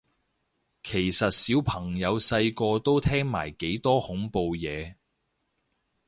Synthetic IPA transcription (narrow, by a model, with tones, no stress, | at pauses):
kʰe˨˩jsɐ˨t̚siː˨˥wpʰɐ˨˩ŋjɐ˨˧wsɐ˧jkɔː˧t̪o˥wt̪ʰɛː˥ŋma̰ː˨˩jke˨˥jt̪ɔː˥hʊ˨˥ŋpo˧wjɛː˨˧